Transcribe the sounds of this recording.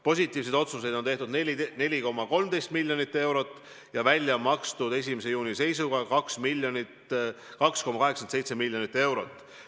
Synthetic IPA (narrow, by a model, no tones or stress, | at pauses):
po̞s̬ʲit̪ːˑiːvs̬ed̪o̞t̪sus̬e̞jd̪o̞nt̪e̞ht̪ud̪ene̞lʲiko̞mːɑko̞lmd̪̥e̞jst̪milʲːjo̞nit̪ːˑe̞wɾo̞t̪ːˑ | jɑvælʲjɑmɑkst̪ud̪e̞s̬ʲimese̞juːnise̞jsuɡɑkɑksmilʲjonit̪ | kɑksko̞mːɑkɑɦeksense̞jt̪se̞milʲːjo̞nit̪ːˑe̞wɾo̞t̪ːˑ